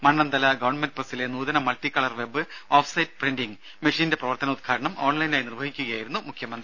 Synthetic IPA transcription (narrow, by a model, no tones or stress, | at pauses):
mɐɳːɐnd̪ɐlɐɡɐʋɐɳmend̚pɐsile̞nuːðɐnɐmɐltikːɐɭɐrʋe̞bːɨoːfsɐjtɨ̥prendiŋ | meʂiːnde̞prɐʋɐrt̪ɐnɐut̪̚ɡʰkʰaːɾɐɳɐmo̞ːɳlɐjinaːjinirʋɐɦikʲːuɣɐjaːjiɾunːumukʰjɐmɐnd̪rii